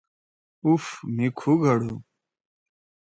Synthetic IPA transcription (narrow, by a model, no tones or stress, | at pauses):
ufmikʰuɡʱɐɽu